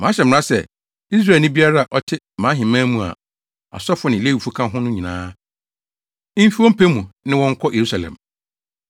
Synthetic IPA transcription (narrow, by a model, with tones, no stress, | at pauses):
mãː˨˦ɕɛ˨m˨ɾa˦sɛ̰˨ | i˦s̬ɾaː˦˨nʊ̃˦bi˦a˦ɾa˦a˨ʔɔ˦tʰɪ˦ | mãː˨˦ɦɪ̃˨mãː˦mũ˦a̰˨ | a̰˨sɔ˦fʊ˦nɪ̃˨le˦i˨fu˦kʰã˦ɦʊ̃˦nʊ̃˦ɲĩ˨nãː˦ | m̩˦fi˦wɔ̃˦m̩˦pʰe˦mũ˨nɪ̃˦wɔ̃˦ŋ˦kʰɔ˦je˨ɾu˦sa˨lɛ̰̃˨m